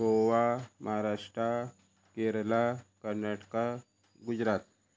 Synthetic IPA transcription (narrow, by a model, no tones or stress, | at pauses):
oʋaməɦaɾaʂʈɾa | keɾlakəɾnaʈka | ɡud͡ʑɾat̪̚